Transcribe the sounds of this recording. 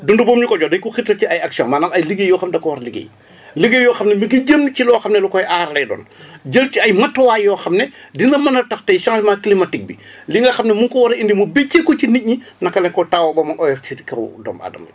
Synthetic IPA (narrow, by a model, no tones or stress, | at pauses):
dundubɔːmnikɔɟɔdɐjkuxitːɐciɐjɐksiɔŋmanɐŋɐjliɡejɔːxɐmdɐkɔwɐɾliɡḛj | liɡejɔːxɐmnɛmiɡiɟəmnicilɔːxɐmnɛlukɔjʔaɾlɛdɔ̰ːnɟəlt͡ʃiɐjmɐtːɔwaːjɔːxɐmnɛdinɐmɐnɐtɐxtɐjʃaŋlmakilimɐtik̚biliŋɡɐxɐmnɛmuŋkɔwɐɾindimubecekːɔt͡ʃinic̚ɲinɐkːɐlɛŋkɔtawɐbɐmɐnʔɔjɛfikɐwdɔ̰ːma̰dɐ̰mɐ̰